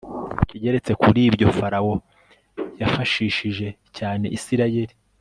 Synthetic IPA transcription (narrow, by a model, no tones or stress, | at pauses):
ciɟe̞ɾe̞t͡se̞kuɾiːbɟo̞faɾawo̞ | jafaʃiːʃiʒe̞ | caːne̞ʔisiɾaje̞ɾi